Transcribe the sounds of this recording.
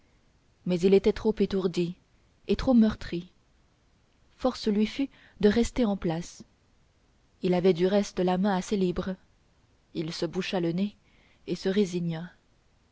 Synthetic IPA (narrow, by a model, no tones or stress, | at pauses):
mɛzilet̪ɛt̪χopet̪uʁd̪i | et̪χomœʁt̪χi | fɔʁslɥify | d̪əʁɛst̪eɑ̃plas | ilavɛd̪yʁɛst̪əlamɛ̃aselibʁ | ilsəbuʃaləne | esəʁeziɲa